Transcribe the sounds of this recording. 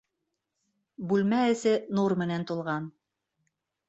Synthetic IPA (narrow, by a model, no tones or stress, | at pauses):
bʉlmæɘ̆sɘnuɾmɘ̆nænt̪ulˠʁɑn